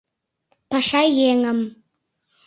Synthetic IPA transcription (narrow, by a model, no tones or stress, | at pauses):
pɑʃɑjeŋə̆m